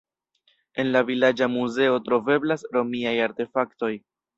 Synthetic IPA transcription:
e̞nlavilad͡ʒamuze̞o̞tɾo̞ve̞blasɾo̞miajaɾte̞fakto̞j

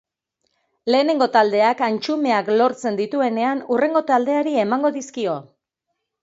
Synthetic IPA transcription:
le̞ːne̞ŋɡo̞t̪ald̪e̞akant͡ʃume̞aklo̞ɾt͡se̞nd̪it̪ue̞ne̞anure̞ŋɡo̞t̪ald̪e̞aɾie̞maŋɡo̞ðiskio̞

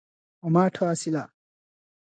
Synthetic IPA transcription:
ɔmaʈʰɔasila

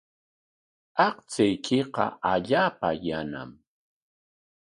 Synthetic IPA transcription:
ɑqt͡sɪjkʰɪqɑ̰aʎaːpajana̰m

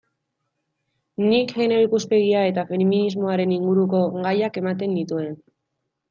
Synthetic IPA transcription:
nikʝeneoikuspe̞ɣiae̞t̪afe̞minizmo̞aɾe̞niŋɡuɾuko̞ɣajake̞mat̪e̞nd̪it̪ue̞n

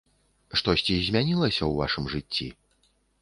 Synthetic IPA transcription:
ʂt̪ɔsʲt͡sʲizʲmʲanʲilˠɐsʲɐwva̰ʂɨmʐɨt͡sʲːḭ

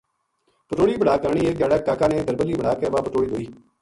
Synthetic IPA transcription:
pəʈoːɽiːbəɽaːkəɾɳ̃iːeːɡaːɽɛːkaːkãːneːd̪əɾbəliːbəɽaːkɛːʋaːpəʈoːɽiːd̪oːiː

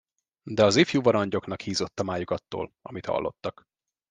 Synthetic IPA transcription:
d̪ɛɒzifjuːvɒɾɒɲɟo̞knɒkhiːzo̞t̪ːɒmaːjukɒt̪ːo̰ːlɒmit̪hɒ̰lːʔo̞̰t̪ːɒk

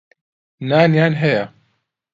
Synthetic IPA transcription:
naːnjaːnɦɛja

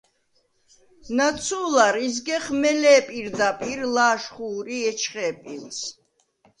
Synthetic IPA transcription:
nat̪sʰuːlaɾizɡɛχmɛlɛːpʼiɾd̪apʼiɾlaːʃχuːɾiɛt͡ʃʰχɛːpʼils

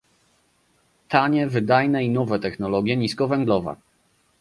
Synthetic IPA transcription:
t̪aɲɛvɘd̪ajnɛinɔvɛt̪ɛxnɔlɔɡʲjɛɲiskɔvɛŋɡlɔva̰

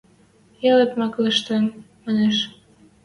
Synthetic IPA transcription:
elepmɑkləʃt̪em | mɑneʃ

